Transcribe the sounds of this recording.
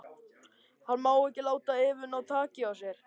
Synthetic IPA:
hanːmaːwɛhcɪlaːwt̪aɪːvʏnawt̪ʰaːcɪawsjɛɾ̥

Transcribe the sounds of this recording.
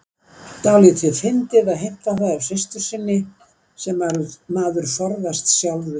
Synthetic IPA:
t̪aːwlɪt̪ʰɪðfɪnt̪ɪðaðɦejm̥t̪aθaðawsɪst̪ʏɾ̥sɪnːɪ | sɛmvaɾmaːðʏɾ̥fɔɾðast̪sjawlvʏ

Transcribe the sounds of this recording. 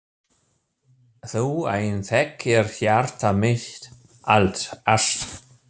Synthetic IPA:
θuwa̰jnθɛkɛɾ̥θjaɾ̥t̪amɪçt̪ | a̰lt̪sast̪

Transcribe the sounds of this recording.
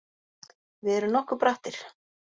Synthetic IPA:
vɪɛɾʏnɔhkʏɾpɾaht̪ɪɾ̥

